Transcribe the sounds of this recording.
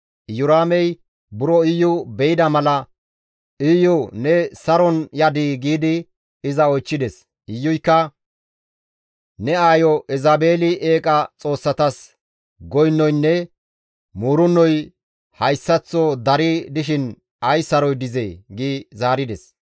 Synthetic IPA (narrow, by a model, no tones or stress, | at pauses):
ʔjʊɾaːmɛj | bʊɾɔɪjːʊbɛjɪd̪ɐmɐlɐ | ɪjʊnɛsɐɾɔnjɐd̪iɡiːd̪ɪ | ɪzɐɔjt͡ʃːɪd̪ɛs | ɪjːʊjkːɐ | nɛaːjɔʔɛzabe̞ːlɪʔe̞ːkʼɐt͡sʼo̞ːsːɐt̪ɐs | ɡɔjnːɔjnːɛ | muːɾʊnːɔj | hɐjsːɐt͡sːɔd̪ɐɾɪd̪ɪʃɪn | ɐjsɐɾɔjd̪ɪzɛjɡiːzaːɾɪd̪ɛs